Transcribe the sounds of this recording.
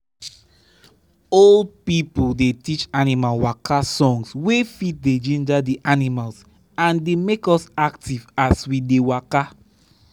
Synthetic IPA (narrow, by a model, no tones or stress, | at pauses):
old̚pipuldetit͡ʃanimalwakʰasɔ̃ŋswefit̚ded͡ʒɛ̃ndadiʔanimals | ãndemekɔsaktivaswidewaka